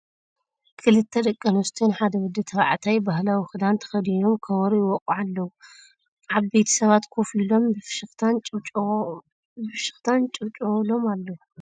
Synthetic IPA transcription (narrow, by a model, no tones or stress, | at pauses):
kʰɨlɨt̪ʰːɐd̪ɐkʼːɐnɔst̪ʰinħad̪ɐwɔd̪ːɨt̪ʰɐβaʕt̪ʰajbahlawixɨd̪ant̪ʰɐ̥xɐd̪ijomkʰɐβɐɾuwɔkʼuʕalːɐwu | ʔaβbe̞jt̪ʰi̥sɐβat̪kʰofilo̞mʃɨxt̪ʰanʼ | bɨfʃɨxt̪ʰant͡ʃʼɨβt͡ʃʼlo̞malːɐwu